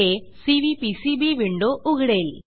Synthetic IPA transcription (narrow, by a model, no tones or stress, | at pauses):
esiʋipisibiʋiɳɖoʔuɣɐɽel